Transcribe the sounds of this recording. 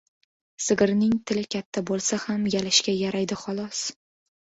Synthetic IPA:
sɪɡɪɾnɪŋt̪ʰɪlɪkʲʰat̪ʰːabolˠsahamjalɪʃkʲajaɾajd̪ɪχɒlˠɒs

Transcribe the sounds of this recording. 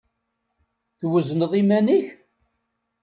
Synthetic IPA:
θwəznəðˤimæniç

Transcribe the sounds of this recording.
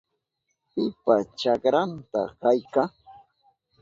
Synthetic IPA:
pɪpat͡ʃakɾant̪a̰kajkaŋ

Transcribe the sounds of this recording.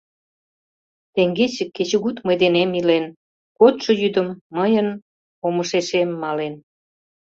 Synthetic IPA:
t̪eŋɡet͡ɕə̆kːet͡ɕə̆ɣut̪mə̆jd̪enemilen | kot̪ʃŏjyd̪ə̆mːəjən | oməʃeʃemːɑlen

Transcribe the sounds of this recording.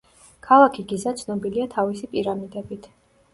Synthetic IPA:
kʰalˠakʰiɡizat̪sʰnɔbiliat̪ʰavisipʼiɾamid̪ɛbit̪ʰ

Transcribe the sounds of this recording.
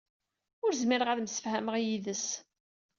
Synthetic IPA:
ʊɾzmɪɾəʁaðmsə̥fhæməʁijiðəs

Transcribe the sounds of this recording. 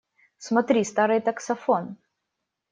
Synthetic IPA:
smɐt̪ɾʲist̪aɾɨjt̪ɐksɐfon

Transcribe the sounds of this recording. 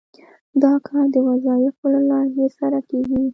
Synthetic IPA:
d̪ɑkʰɑɾd̪əwazɑjɪfolalɑɦesaɾakeɡi

